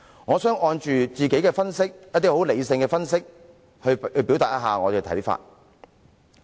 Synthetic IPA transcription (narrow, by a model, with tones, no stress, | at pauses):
ŋɔː˨˧sœː˨˥ŋɔː˧nt͡ʃyː˨t͡siː˨ke˨˥jkɛː˧fɐ˥nsɪ˥k̚jɐ˥t̪ːi˥ho˨˥wle˨˧jsɪ˧ŋkɛː˧fɐ˥ns̬ɪ˥k̚ | hɵ˧hɵ˧ɥpi˨˥wt̪aː˨jɐ˦˥ɦaː˨ŋɔː˨˧t̪e˨wt̪ʰɐ˨˥jfa̰ː˧t̚